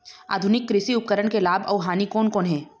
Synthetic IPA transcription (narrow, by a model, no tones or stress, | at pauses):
a̰ːd̪ʱʊnɪkːɾɪsiʊp̚kəɾəɽ̃kelaːbɔːʋɦaːnikɔːnkoːnɦɛ̃ː